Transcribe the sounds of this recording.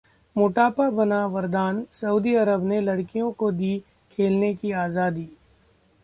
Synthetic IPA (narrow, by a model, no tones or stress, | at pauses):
mʊʈaːpabɐnaʋɐɾd̪aːnsɐuːd̪iɐɾəbnelɐɽkijõkod̪iː | kʰeːlnekiaːzaːd̪iː